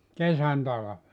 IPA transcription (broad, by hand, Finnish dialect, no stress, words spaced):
kesæn tɑlɑʋe